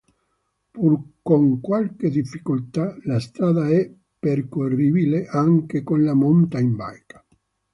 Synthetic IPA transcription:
purkoŋkwalked̪ifːikult̪alast̪ɾaːd̪aɛ | pːerkorːiːbileʔaŋkekonlamont̪aimba̰jkḁ

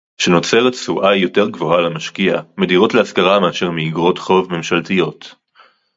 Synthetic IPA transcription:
ʃeno̞t͡se̞ʁetsuʔajːo̞te̞ʁɡvo̞ɦalamaʃkiame̞diʁo̞tleaskaʁameaʃe̞ʁmeiɡʁo̞tχo̞vme̞mʃaltijo̞t

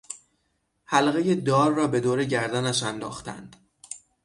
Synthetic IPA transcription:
hælɣe̞je̞d̪ɒːɾːɒːbe̞d̪oːɾe̞ɟæɾd̪ænæʃænd̪ɒ̰ːxt̪ʰæ̰nd̪̥

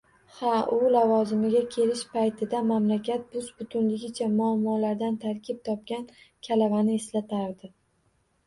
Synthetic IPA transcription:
haʔʊlavɒzɪmɪɡʲakʲʰe̞lɪʃpʰajt̪ʰɪd̪amamlakʲʰat̪̚bʊzbʊt̪ʰʊnlɪɡʲɪt͡ʃʰamʊamːɒlaɾd̪ant̪ʰaɾkʲʰɪp̚t̪ʰɒp̚kʲankʲʰalavanɪeslat̪ʰaɾd̪ɪ

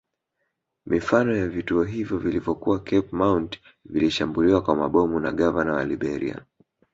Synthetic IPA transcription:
mifanɔjavituɔɦivjɔvilivjɔkuwakɛpmawnt | viliʃambuliwakwamaɓɔmuna̰ɠavanawa̰liɓɛɾḭa̰

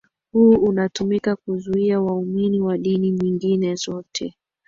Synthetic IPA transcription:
huunatumikakuzuiawauminiwaɗiniɲiŋɡinɛzɔtʰɛ

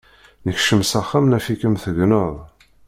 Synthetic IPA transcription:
nəçʃəmsaχːamnæfikəmθəɡnəðˤ

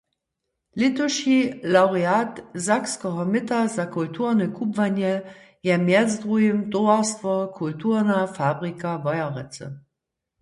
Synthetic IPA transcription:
litʰuʃilaʊʁeaːtzakskɔɦɔmɪtɐzakʰʊltʰuːɐʁnəkʰupvanə | jɛmjɛt͡sdʁuəmdoastvɐkʰultʰuːʁnafaːbʁikavɑjɐʁɛt͡sə̰

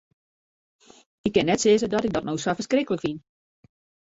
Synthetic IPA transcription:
ɪkːɪnːɛtsɪːzədɔtɪk̚dɔtnowsɔfərskrɪkələkfin

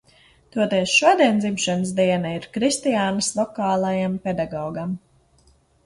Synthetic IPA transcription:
t̪uɔt̪ɛːsʃuɔd̪iɛnd̪zimʃans̬d̪iɛnaiɾkɾist̪ijaːnəslˠɔkaːlˠajampɛd̪aɡɔːɡam

